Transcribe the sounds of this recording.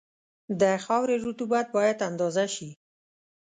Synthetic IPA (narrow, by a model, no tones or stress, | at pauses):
d̪əxɑwɾeɾut̪ubat̪̚bɑjad̪and̪ɑzaʃi